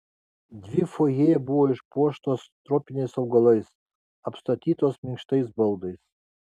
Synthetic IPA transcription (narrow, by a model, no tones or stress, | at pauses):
d̪ʲʋʲɪfoːjeːjɛbuʋɔːɪʃpuɔʃt̪oːst̪ɾɔpʲɪnʲɛɪsɐʊɡɐlˠɐɪs | ɐpst̪ɐt̪ʲiːt̪oːsmʲɪŋkʃt̪ɐɪsbɐlˠd̪ɐɪs